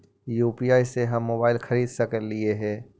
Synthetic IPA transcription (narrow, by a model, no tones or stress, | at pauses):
juːpiaːiseɦɐmːoːbaːɪlxɐɾiːd̪sɐkəɾlɪeɦɛ̃ː